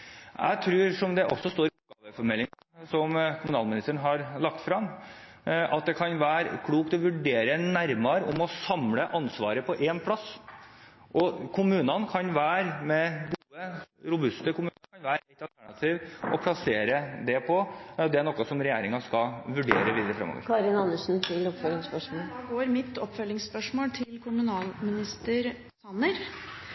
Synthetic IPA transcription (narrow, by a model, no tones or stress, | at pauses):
ʔæ̰ɪt̪ʰɾʉːɾʂɔmd̪ɛʔɔ̰sːɔst̪oːɾɪɔp̚ːɡɑːʋəfɔɾmɛlːɪŋɑ | sɔmkʰʊmʉnɑːlmɪnɪst̪əɳ̩ɦɑɾlɑk̚t̪fɾɑm | ʔɑt̪̚d̪ɛkʰɑnʋæːɾkʰɽuːkt̪ɔʋʉɖeːɾənæɾmɑɾʊmɔsɑmləʔɑnsʋɑ̰ːɾəpʰɔʔɛnpʰlɑsː | ʔɔkʰʊmʉːnɑnkʰɑnʋæːɾmɛɡuːəɾʊbʉst̪əkʰʊmʉːnəkʰɑnʋæːɾɛɪt̪ɑlt̪ʰæɳɑt̪ʰiːʋɔpʰlɑseːɾəd̪ɛpʰɔd̪ɛæɳɔkːɔsɔmɾɛjeːɾɪŋɑskɑʋʉɖeːɾəʋiːd̪əɾəfɾɛ̰mːɔ̰ːʋə̰ɾkʰɑːɾɪnɑnːəʂn̩t̪ʰɪlɔpfœlɪŋspœʂmoːɑːɡoːɾmɪt̪ɔpːfœlɪŋsspœʂmoːlt̪ʰɪlkʰʊmʉnɑːlmɪnɪst̪əɾ | sɑnəɾ